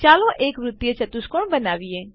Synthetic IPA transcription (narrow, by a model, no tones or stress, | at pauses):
t͡ʃaːlõːʔeːkʋɾʊt̪ːjət͡ʃət̪ʊskoɳbənaːʋieː